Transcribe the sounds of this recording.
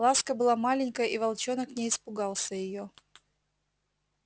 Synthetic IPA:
askəbɨlˠamalʲɪnʲkəjʔivɐlˠt͡ɕonəknʲɪɪspʊɡɑlˠsʲəjɪjo

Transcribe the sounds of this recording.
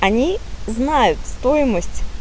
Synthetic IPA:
ɐnʲiznajʊt̪st̪o̞jɪməsʲtʲ

